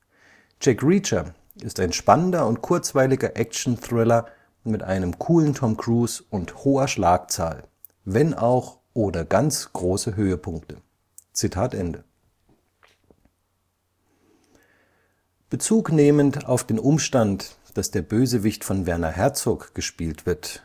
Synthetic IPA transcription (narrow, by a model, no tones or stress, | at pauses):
t͡ʃɛkʁit͡ʃɐ | ʔɪstaɪnʃpanəndɐʊnt̚kʰʊɐt͡sv̥aɪlɪɡɐʔɛkt͡ʃn̩θʁ̥ɪlɐ | mɪtʔa̰ɪnəmkʰuːlən̩tʰɔmkʁ̥uːsʊnthoːɐʃlaːk̚t͡sa̰ːl | vɛnaʊx | ʔoːdɐɡ̥ant͡sɡ̥ʁoːsəɦøːəpʰʊŋktə | t͡sitʰaːtʔɛndə | b̥ət͡suːkneːmənta̰ʊfd̥eːnʔʊmʃtant | d̥asd̥eːɐbøːzəvɪçtfɔnvɛɐnɐ̰hɛɐt͡soːkɡ̥əʃpiːltv̥ɪɐt